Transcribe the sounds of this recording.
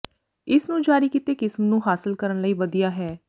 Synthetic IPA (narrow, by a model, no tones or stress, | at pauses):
ɪsnũːd͡ʒaːɾiːkɪt̪eːkɪsmnũːɦaːsɪlkəɾənləiːʋəd̪ijaːɦɛː